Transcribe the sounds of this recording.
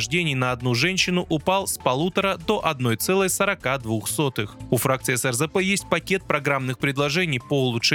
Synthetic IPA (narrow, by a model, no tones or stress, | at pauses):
ʐdʲenʲɪjnəɐd̪nuʐɛnʲɕːɪnʊʔʊpalˠspɐlˠut̪əɾəd̪oʔɐd̪no̞jt̪sɛlˠəjsəɾɐkad̪vuxso̞t̪ɨxʊfɾakt̪sɨɪsɛrzɛpɛjesʲt̚ʲpɐkʲe̞t̪̚pɾɐɡɾamnɨxpɾʲɪd̪lˠɐʐɛnʲɪjpəʊlˠʊʂ